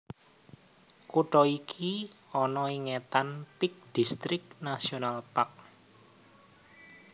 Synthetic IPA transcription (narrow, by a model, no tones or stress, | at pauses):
kuʈɔikʰi | ɔnɔiŋɛt̪anpik̚d̪̥ist̪ɾɪk̚nasionalpak̚